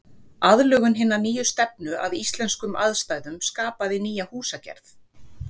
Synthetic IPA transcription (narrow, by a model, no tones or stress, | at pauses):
aðlœːɣʏnɦɪnːaniːjʏst̪ɛpnʏʔa̰ðist̪lɛnskʏma̰ðst̪aːjðʏmskaːpaðɪniːjahuːsacɛ̰ɾ̥θ